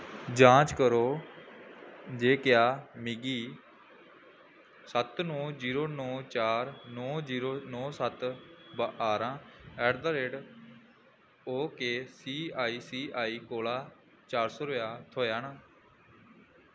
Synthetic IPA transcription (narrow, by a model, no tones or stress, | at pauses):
d͡ʒãːt͡ʃkəɾoː | d͡ʒeːkɪjaːmiɡiː | sət̪nɔːd͡ʒiːɾoːnɔːt͡ʃaːɾnɔːd͡ʒiːɾoːnɔːsət̪baaːɾãːɛːɖd̪əɾeːɖ | oːkeːsiːaːiːsiːaːiːkoːlaː | t͡ʃaːɾsoːɾoːjaːt̪ʰoːjaːnaː